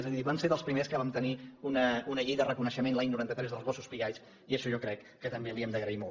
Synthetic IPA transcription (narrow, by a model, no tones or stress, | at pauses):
ezəðiβanseðəlˠspɾimeskəβamt̪əniunəunəʎejðərəkunəʃəmenlaɲnuɾant̪ət̪ɾɛzðəlˠzβɔsu̥spiɣajs | iəʃɔʒɔkɾɛkːət̪əmbeəlˠiɛmd̪əɣɾəimɔ